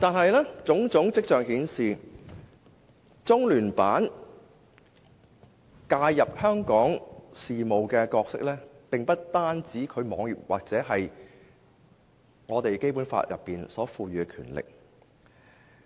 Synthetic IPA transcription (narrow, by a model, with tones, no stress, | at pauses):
t̪aː˨nɦɐ˨jlɛː˥t͡sʊ˨˥ŋt͡sʊ˨˥ŋt͡sɪ˥k̚t͡ʃœː˨ŋhiː˨˥nsiː˨ | t͡sʊ˥ŋlyː˨˩npaː˨˥n | kaː˧jjːɐ˨p̚hœː˥ŋkɔː˨˥ŋsiː˨mo˨˩wkɛː˧kɔː˧k̚sɪ̰˥k̚lɛː˥pɪ˨ŋpɐ˥t̚t̪aː˥nt͡siː˨˥kʰɵ˨˧ɥmɔː˨˧ŋjɪ˨p̚waː˨k̚t͡sɛː˨˥ɦɐ˨j | ŋɔː˨˧t̪e˨jke˥jpuː˨˥nfa̰ː˧t̚jʔɐ̰˨pːiː˨nsɔː˨˥fuː˧ɥyː˨˧kɛ˧kʰyː˨˩nlɪ̰˨k̚